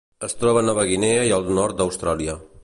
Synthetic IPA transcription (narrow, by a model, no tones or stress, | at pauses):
əst̪ɾɔβənɔβəɣineəiəlˠd̪nɔɾt̪̚d̪əwst̪ɾaliə